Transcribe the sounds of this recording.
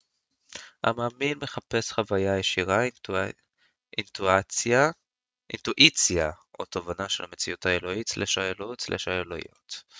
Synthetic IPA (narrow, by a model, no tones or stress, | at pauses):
ha̰maːminme̞χape̞sχavajajeʃiʁa | ʔintua | ʔḭnt̪uʔit͡sjaʔo̰tovanaʃelame̞t͡sijutaelo̞itslʔeʃaelot͡slʔḛʃaeloḭo̰t̪